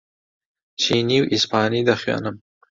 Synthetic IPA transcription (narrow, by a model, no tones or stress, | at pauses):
t͡ʃiniwʔɪspɑːnid̪axwɑ̰ːnam